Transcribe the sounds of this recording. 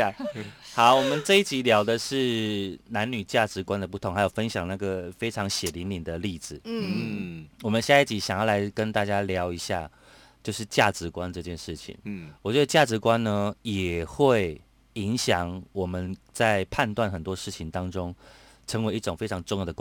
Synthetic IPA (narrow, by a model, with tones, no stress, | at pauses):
xɑ˧˦ʊwɔ˨˩mə˨˦nʈ͡ʂɤ˥˧i˥˩t͡ɕi˧˥ljɑ˧˥ʊd̪ə˨ʂɻ̩˥˩na˧˦˥nny˨˩t͡ɕja˥˩ʈ͡ʂɻ̩˧˥kwa˥nd̪ə˨˩pu˥˩ʊ˧˦ŋxa˧˥jo˨˩ʊfə˦˥nɕjɑ˨˩ŋna˥˩ɡə˨˩fe˥ɪʈ͡ʂʰɑ˧˥ŋɕjɛ˨˩li˧˥ŋli˨˩nd̪ə˦li˥˩d͡zɹ̩˨˩ | wɔ˨˩mə˦nɕja˥˧i˥˩t͡ɕi˨˥ɕjɑ˨˩ŋjɑ˥˩la˧˦ɪkə˥˦nt̪a˥˩t͡ɕja˥ljɑ˧˥ʊi˧˥ɕja̰˥˧ | t͡ɕjo˥˧ʊʂɻ̩˥˧t͡ɕja˥˩ʈ͡ʂɻ̩˧˥kwa˦nʈ͡ʂɤ˥˧t͡ɕjɛ˥˧nʂɻ̩˥˩t͡ɕʰḭ˨˩ŋwɔ˨˩t͡ɕɥɛ˧˥d̪ə˧t͡ɕja˥˩ʈ͡ʂɻ̩˧˥kwa˦˥nnə˧jɛ˨˩xwe˥˩ɪ | i˧˦˥ŋɕjɑ˨˩ŋwɔ˨˩mə˦nt͡sa˥˧ɪpʰa˥˧nt̪wa˥˩nxə˨˩nt̪wɔ˥ʂɻ̩˥˩t͡ɕʰi˨˩ŋt̪ɑ˥ŋʈ͡ʂʊ˥ŋ | ʈ͡ʂʰə˧˥ŋwe˧˥ɪi˥˩ʈ͡ʂʊ˨˩ŋfe˥ɪʈ͡ʂʰɑ˧˥ŋʈ͡ʂʊ˥˧ŋjd̪ə˧˥